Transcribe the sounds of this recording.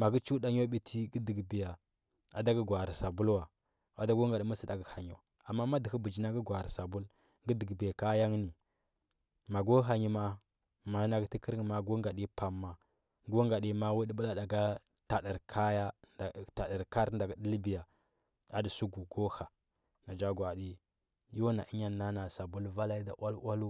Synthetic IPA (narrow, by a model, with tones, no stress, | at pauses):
ma˨ɡi˦t͡ʃu˦da˦ɲ˦o˦ɓi˦tʰi˦ɡi˦di˨ɡbi˨ja˨ | a˨da˦ɡə˦ɡʷa˨ɾsa˨bu˦lwa˨ | a˨da˦ɡo˦ŋɡa˨di˨˦mu˦si˨da˨ɡə˦ha˨ɲo̰˨ | a˨mːa˦ma˦di˨hi˦bu˨d͡ʒi˦na˦ɡə˦ɡʷa˨ɾsa˨bu˦l | ɡi˦də˨ɡbe˨ka˦ja˦ŋ˦ni˨ | ma˨ɡo˦ɦa˨ɲi˨ma˨ | ma˨˦na˨ɡti˦kə˦ɾŋ˨ma˨ɡo˦ŋɡa˨ɗi˦pa˨mːa˨ | ɡo˦ŋɡa˨di˦ma˦wu˦di˦bu˦la˨da˨ɡa˦ | ta˨də˨ɾkʰa˦ja˦˨ta˨da˨ɾka˦ɾnda˨ɡi˨di˦lbi˨ja˨ | a˦di˨su˦ɡu˨ɡo˦ha˨ | na˨d͡ʒa˦ɡwa˨di˦ | jo˦na˨ʔi˦ɲa˦nːa˦na˨sa˨bu˦lva˦la˦i˦da˨ʔwa˦lwa˦lu˦